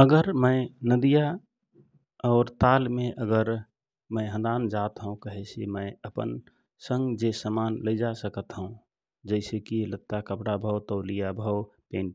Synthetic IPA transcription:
əɡəɾmə̃ɪnəd̪ija | ɔːɾt̪almẽʔəɡəɾ | mə̃ɪɦə̃nd̪aːnd͡ʒat̪ɦəũkəɦɛsimə̃ɪəpə̰n | sə̃ŋɡd͡ʒesəmanləɪd͡ʒasəkət̪ɦəũ | d͡ʒəɪsekilət̪ːakəpɽabʱəwt̪ɔlijabʱəwpẽːn

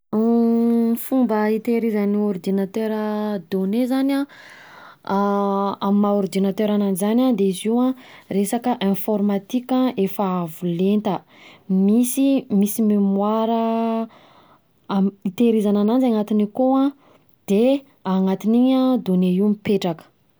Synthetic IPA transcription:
fumbəit̪eɾizəniɔrd̪inat̪øɾəd̪onezanʲã | amimaɔɾd̪inat̪øɾananizanʲad̪eiziwãresakəʔẽfɔɾmat̪ikʲãʔefaavulent̪ə | misimisimimwaɾə | it̪eɾizananand͡zaŋat̪inikoã | d̪̥e | aŋat̪iniɲad̪oneiwmipeʈ͡ʂakə̥

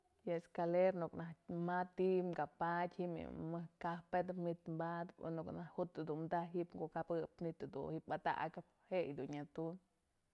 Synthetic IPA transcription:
jaeskaleɾnuknahmat̪imkapat̪ʲhimḭmɨhkahpet̪pmit̪mbad̪pnuknahut̪ɨd̪umd̪aɦipɡoʔkabɨpmit̪ad̪ṵhipat̪a̰ʔkɨp | hejd̪unɲat̪un

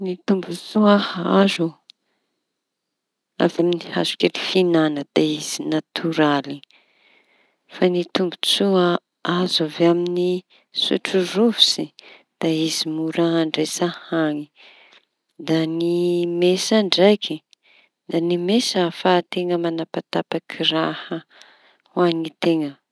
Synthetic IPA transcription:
nit̪umbut͡suahazu | a̰vaminiha̰zu̥kelifinanəd̪̥aiz̥inat̪ʰuɾali | fanit̪umbut͡sua | azaveamini | sṵʈ͡ʂuruvisi | d̪̥aizimuɾaaɳɖ͡ʐesahaŋi | d̪animesaɳɖ͡ʐajkʰi | d̪animesafat̪eŋəmanapat̪apakʰirahə | waŋit̪eŋə

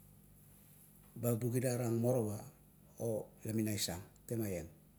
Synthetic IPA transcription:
babuɡidaɾaŋmo̞ɾowa | olaminajsaŋte̞majeŋ

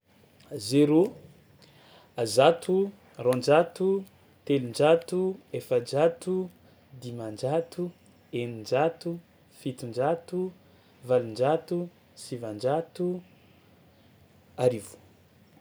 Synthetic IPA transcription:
zeɾu | azat̪ʰu | rond͡ʒat̪u | t̪elind͡ʒat̪uefənd͡ʒat̪u | d̪imand͡ʒat̪u | enind͡ʒat̪u | fit̪ind͡ʒat̪u | valind͡ʒat̪u | sivand͡ʒat̪u | aɾivu̥

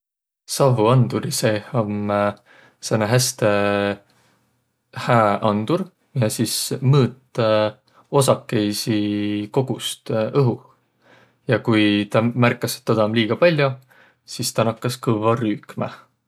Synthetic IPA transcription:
sɑɦuɑnd̪̥uɾisehom | senɑɦæst̪e | hæːʔɑnd̪̥uɾ | jɑsismɤːt̪ːˑ | o̞sɑkːe̞jsiko̞ɡ̥ust̪ɤɦu | jɑkujt̪ɑmærkːˑɑset̪ːɑd̪ɑmliːɡ̥ɑpɑlʲjo | sist̪ɑnɑkːɑskɤvɑryːkmæ̰

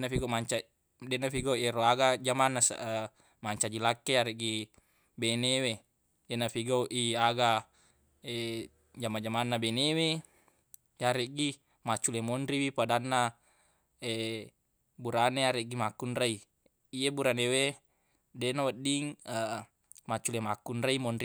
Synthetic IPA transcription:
nafiɡomaɲt͡ʃa | dɛnːafiɡauʔeɾoaɡad͡ʒamanːasa̰ʔə | maɲt͡ʃad͡ʒilakːeaɾeʔɡi | benewe | dɛnafiɡauʔiaɡa | eʔ | d͡ʒamad͡ʒamanːabenewe | jaɾeʔɡi | mat͡ʃːulemonɾiwipadanːa | e | buɾaneaɾeʔɡimakːunrai | iebuɾanewe | denawadiŋə | mat͡ʃulemakːunraimonɾi

